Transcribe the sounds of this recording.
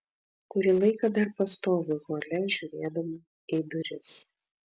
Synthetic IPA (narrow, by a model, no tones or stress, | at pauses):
kʊɾʲilˠɐɪkɐd̪ɐɾpɐst̪oːʋʲʊɣoːlʲɛʒʲuːɾʲeːd̪ɐmʊ | iːd̪ʊɾʲɪs